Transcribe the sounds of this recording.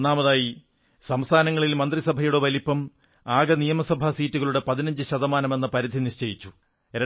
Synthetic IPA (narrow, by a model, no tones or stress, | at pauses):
naːmɐðaːji | sɐmst̪ʰaːnɐŋːɐɭilmɐnd̪risɐbʱɐjuɽeʋɐlipːɐm | aːɡɐnijɐmɐsɐbʱɐsiːtːuɣɐɭuɽe̞pɐðinɐɲd͡ʑɨɕɐðɐmaːnɐme̞nːɐpɐɾid̪ʱiniʂt͡ɕɐjit͡ɕːu | ɾe